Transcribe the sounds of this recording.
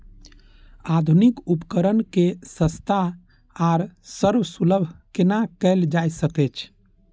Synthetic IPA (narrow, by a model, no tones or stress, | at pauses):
ad̪ʱunikupkəɾənkesə̃st̪ʰa | aɾsəɾwsuləbʱkenakɛɪld͡ʒajsəkɛt͡ʃʰ